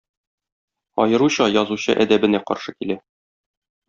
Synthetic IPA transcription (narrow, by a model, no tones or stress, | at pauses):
ɒ̰jɤ̆ɾuɕɑjɒzuɕɤ̰ʔæd̪æbɘ̆næqɒ̰ɾʃɤkilæ